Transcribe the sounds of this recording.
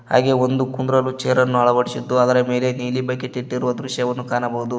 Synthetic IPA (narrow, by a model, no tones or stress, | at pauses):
ha̰ːɡe̞o̞nd̪ukund̪ɾɐlːut͡ʃeːɾɐnːuɐɭɐbɐɽisid̪ːuɐd̪ɐɾɐme̞ːle̞niːlibɐkːet̪iʈːiɾuʋɐd̪ɾuʃjɐʋɐnːukaːnɐbɐɦud̪u